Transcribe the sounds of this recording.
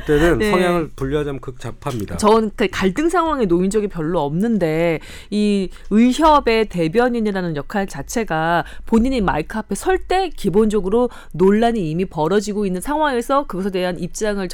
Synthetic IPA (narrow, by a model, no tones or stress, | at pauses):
t͈enɯnnʰʌŋjaŋɯɭpuʎːjʌd͡ʑamkɯk̚t͡ɕapʰamɲidat͡ɕʌɯnkɯkaɭt͈ɯŋsʰaŋɦwaŋe̞noind͡ʑʌɡinpjʌɭːoʌmnɯnde̞ | iɯiçjʌbe̞te̞bjʌɲiniɾanɯnjʌkʰaɭt͡ɕat͡ɕʰe̞ɡapoɲiɲima̰ɭkʰapʰe̞sʰʌɭt͈e̞kibond͡ʑʌɡɯɾo | noɭːaɲiimipʌɾʌd͡ʑiɡoinːɯnsʰaŋɦwaŋe̞sʰʌkɯɡʌsʰʌdwe̞ɦanʔip̚t͡ɕ͈aŋɯɭt͡ɕ